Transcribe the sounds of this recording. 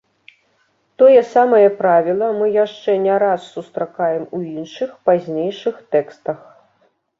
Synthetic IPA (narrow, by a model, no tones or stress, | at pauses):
t̪ɔjɛsamɐjɛpɾavʲilˠɐmɨjaʂt͡ʂɛnʲɛɾasːust̪ɾakajɛmuinʂɨxpazʲnʲejʂɨxt̪ɛkst̪ɐx